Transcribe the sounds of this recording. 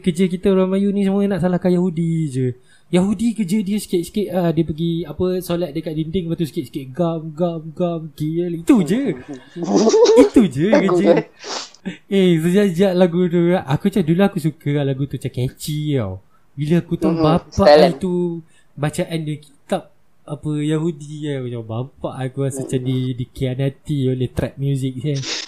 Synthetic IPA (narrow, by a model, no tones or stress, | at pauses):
kəd͡ʒək̬it̪əuɾaŋmajunĩs̬əmuənãʔsalahkanjaɦudid͡ʒə | jaɦudikəd͡ʒədiəskɪʔ̚skɪʔ̪adiəpəɡiapəsolat̪̚dəkat̪̚lindɪŋpat̪uskeʔskeʔ̚ɡamɡamɡamkilit̪ud͡ʒə | it̪ud͡ʒəkəd͡ʒə | esəd͡ʒaʔd͡ʒaʔlaɡut̪uaʔʔakut͡ʃadulaakus̬ukəalaɡut̪ut͡ʃakɛt͡ʃia̰w | bilaakut̪aŋbapait̪u | bat͡ʃaʔandəkit̪ap̚ | apəjahudiaabapaʔakuasət͡ʃandidikianat̪ioleht̪ɾɛt̚mjuzɪk̚sa